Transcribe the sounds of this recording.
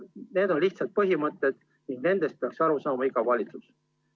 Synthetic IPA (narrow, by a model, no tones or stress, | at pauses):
ne̞ːd̪̥o̞nliht̪sɑlt̪̚pɤɦimɤt̪ːˑed̪̥ | niŋɡ̥ne̞nd̪̥e̞st̪̚peɑksɑɾusɑːmɑiɡ̥ɑvɑlʲit̪sus